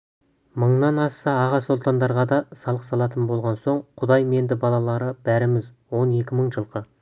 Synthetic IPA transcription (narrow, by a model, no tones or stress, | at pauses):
məɴnɑnɑsɑɑʁɑsolˠt̪ɑnd̪ɑɾʁɑd̪ɑsɑlˠəqsɑlˠɑt̪ənbo̞lˠʁɑnso̞ɴqʰʊd̪ɑjme̞nd̪ɪbɑlˠɑlˠɑɾəb̥æɾɪmɪzwo̞ne̞kʲɪməɴʒəlˠqə